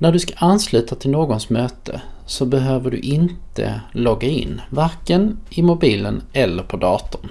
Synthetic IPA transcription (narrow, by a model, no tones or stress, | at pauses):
næɖɵskḁʔanslʉ̟ːt̪ʰat̪ʰɪlnoːɡɔnsmøːt̪ʰə̰ | sɔbɛɦøːvəɖɵ̰ʔɪnt̪ʰə̰lɔɡːaɪ̰nːvaɾkənɪmʊbiːlənɛlːəɾpʰɔd̪ɑːt̪ʊm